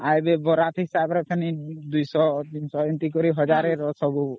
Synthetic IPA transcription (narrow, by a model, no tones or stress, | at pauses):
ajbebɔɾat̪ʰiɦisabɾɔt̪ʰanid̪ujsɔt̪insɔɔnt̪ikɔɾiɦɔd͡ʒaɾeɾɔsɔbu